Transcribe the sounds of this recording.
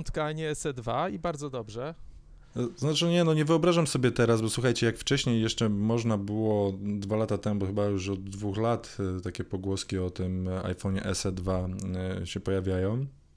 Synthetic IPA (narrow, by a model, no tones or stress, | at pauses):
nt̪kaɲɛɛsɛd̪vaibaɾd̪zɔd̪ɔbʐɛ | znat͡ʂɘɲɛnɔɲɛvɘɔbɾaʐamsɔbʲjɛt̪ɛɾazbɔswuxajt͡ɕɛjakft͡ʂɛɕɲejːɛʂt͡ʂɛmɔʐnabɘwɔd̪valat̪at̪ɛmubɔxɘbajuʐɔd̪ːvuxlat̪t̪akʲɛpɔɡwɔskʲiɔt̪ɘma̰jfɔɲɛʔɛ̰sɛd̪vaɕɛpɔjavʲjajɔ̃w̃